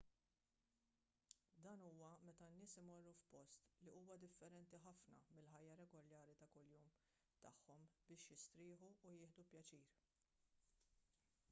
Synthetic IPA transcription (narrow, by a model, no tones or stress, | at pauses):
d̪ɐːnuːwɐmɛt̪ɐnːɪːsɪmɔrːufpɔst̪liuːwɐd̪ɪfːɛɾɛnt̪iħɐfnɐmɪlħɐjːɐɾɛɡɔljɐːɾit̪ɐkʊljuːm | t̪ɐħːɔmbɪːʃjɪst̪ɾɪːħuːjɪːħd̪upjɐt͡ʃiːɾ